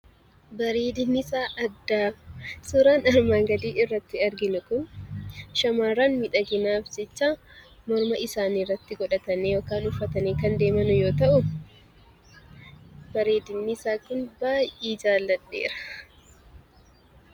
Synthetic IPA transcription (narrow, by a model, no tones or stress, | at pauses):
bɐɾeːd̪ɪnːɪsaːʔɐd̪ːaːsʊɾaːnɐɾmaːŋɡɐd̪iːʔɪrːɐt̪ːɪɐɾɡɪnʊkʊn | ʃɐmaːɾaːnmɪᶑɐɡɪnaːfd͡ʒɛt͡ʃːaː | mɔɾmɐɪsaːniːrːɐt̪ːɪɡɔᶑɐt̪ɐnːeːjoːkaːnʊfːɐt̪ɐneːkɐnd̪e̞ːmɐnʊjo̞ːt̪ɐʔʊ | bɐɾeːd̪ɪnːɪsaːkʊnbaːjʔeːd͡ʒaːlːɐᶑːḛːɾɐ̥